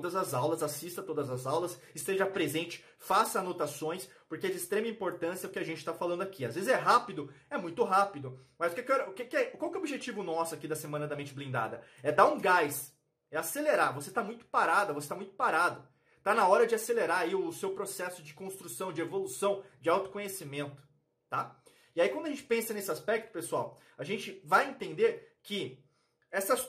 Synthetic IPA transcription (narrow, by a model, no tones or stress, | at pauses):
od̪ɐzɐzawlɐzasist̪ɐt̪od̪ɐzɐzawlɐsɪst̪eʒɐpɾezẽnt͡ʃɪ̥ | fasɐnot̪asõj̃s | poɾkeɛd͡ʒɪst̪ɾẽmɐĩpoɾt̪ɐ̃sjɐʊkɪaʒẽnt͡ʃɪ̥t̪afalɐ̃nd̪ʊakʰiazvezɪzɛɦapid̪ʊɛmũj̃t̪ʊɦapid̪ʊmɐjzʊkɛkɛɾɐʊkekɪɛʊkwawkɛobiʒet͡ʃivʊnɔsʊakid̪ɐsemɐ̃nɐd̪ɐmẽnt͡ʃɪblĩnd̪a̰d̪ɐ | ɛd̪aɾũɡajs | ɛaseleɾaɾvoset̪amũj̃t̪ʊ̥paɾad̪ɐvoset̪amũj̃t̪ʊ̥paɾad̪ʊ | t̪anɐɔɾɐd͡ʒɪaseleɾaɾaiʊsewpɾosɛsʊd͡ʒɪkõst̪ɾusɐ̃w̃d͡ʒɪevolusɐ̃w̃d͡ʒɪawt̪ʊ̥kõɲesimẽnt̪ʊ̥ | t̪a | iaikɐ̃d̪ʊɐʒẽt͡ʃɪ̥pẽsɐnesɪaspɛk̚t̪ʊ̥pesuaw | aʒẽnt͡ʃɪvajẽnt̪ẽnd̪eɾkɪ | ɛsɐ